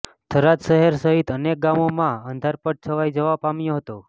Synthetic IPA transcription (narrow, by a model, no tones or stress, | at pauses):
t̪ʰəɾat̪ʃəɦeɾsəɦit̪ənek̚ɡamomãənd̪ʱaɾpəʈ̚t͡ʃʰəʋajd͡ʒəʋapamjoɦət̪o